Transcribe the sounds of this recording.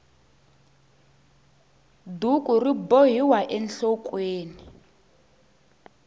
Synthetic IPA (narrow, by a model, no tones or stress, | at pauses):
dukʼuriboɦiwaʔɛnɬɔkʼweːni